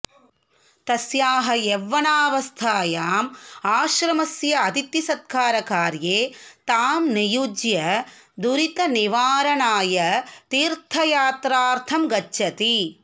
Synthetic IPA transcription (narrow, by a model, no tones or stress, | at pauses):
t̪ɐsjaːɦɐeʋːɐɳaːʋɐst̪ʰaːjaːmaːʃɾɐmɐsjɐɐt̪it̪jisɐd̪̚kʰaːɾɐkaːɾjeːt̪aːmnijud͡ʒjɐ | d̪uɾit̪ɐniʋaːɾɐɳaːjɐt̪iːɾt̪ʰɐjaːt̪ɾaːɾt̪ʰɐmɡɐt͡ʃːʃɐt̪i